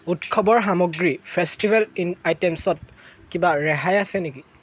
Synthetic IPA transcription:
utkʰɔbɔɹɦamɔɡɹipʰɛstibɛlinajtɛmsɔt̚kibaɹɛɦajasɛniki

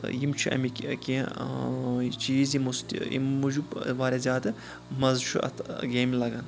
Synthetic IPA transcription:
jimt͡ʃʰuʔɐ̰mikʲkʲi | t͡ʃiːzimust̪ḭmud͡ʒubʋaːɾʲezʲjaːd̪ɐ | mɐzt͡ʃʰuʔɐ̰t̪ɡeːmlɐɡɐn

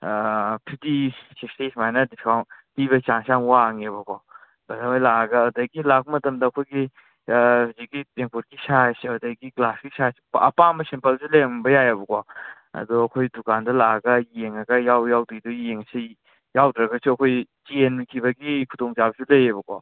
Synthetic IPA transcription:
pʰitisestesmajnɐdiskawntiβɐt͡ʃaŋsaŋwaːŋebɐkɔ | bɐzamajlaaɡɐːdɐɡilak̚mɐtɐmdɐːkʰojɡi | ziɡiteŋkuɾɡisasiadɐɡiɡlaskisasi̥pɐpambɐsempɐlsulejaŋbɐjajabɐkɔ | ɐ̰dɔɐkʰojdukandɐlaɡɐjeŋaɡɐjawjawdidɔjeŋɐsi | jawdɾɐɡɐsuɐkʰojt͡ʃienmikʰibɐɡikʰutoŋt͡ʃabɐsulɐjebɐko̰

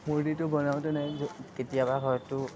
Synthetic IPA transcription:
muɹditʊbɔnawtʊnɛzketijabaɦɔjtʊ

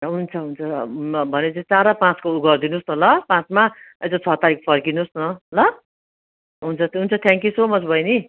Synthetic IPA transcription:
ɦunt͡sʰʌɦunt͡sʰʌbʱʌnet͡saĩt͡saɾʌpãt͡skouɡʌrd̪inusnʌlʌpãt͡sma | ʌd͡zʌt͡sʰʌt̪aɾik̚pʰʌrkinusnʌlʌ | ɦunt͡sʰʌɦunt͡sʰʌt̪ʰãŋkjusomʌt͡sʰbʱʌjni

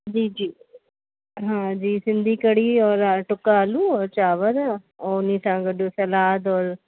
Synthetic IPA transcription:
d͡ʒiːd͡ʒiː | ɦãːd͡ʒiːsɪnd̪iːkəɽiːɔːɾaʈʊkːaːluːɔːɾt͡ʃaːʋəd̪aː | oːʊnĩːsãːɡəɖuːsəlaːd̪ɔːɾ

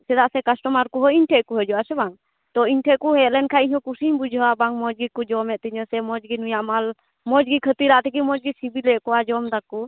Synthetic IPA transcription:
sɛd̪aʔsɛkasʈɔmaɾkɔɦɔiɲʈʰeʔkuɦɛd͡ʒuasɛbaŋ | t̪ɔiɲʈʰɛʔkuɦɛlɛnkʰaiɲɔ̃kusiɲbud͡ʒʱabaŋmɔd͡ʒɡikud͡ʒɔmɛʔ̪̚t̪iɲɔsɛmɔd͡ʒɡinujaʔmal | mɔd͡ʒɡikʰət̪iɾaʔt̪ɛkimɔd͡ʒɡisibilɛkɔad͡ʒɔmd̪akːu

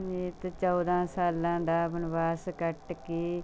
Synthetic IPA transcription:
niːt̪t͡ʃɔːd̪ãːsaːlãːd̪aːbənʋaːskəʈkiː

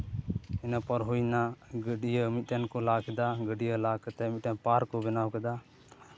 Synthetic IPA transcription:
ɛnapəɾɦujnaɡəɖijəmit̪̚ʈɛnkɔlakɛd̪aɡəɖijəlakət̪ɛmit̪̚ɛnpaɾkɔbɛnawkɛd̪a

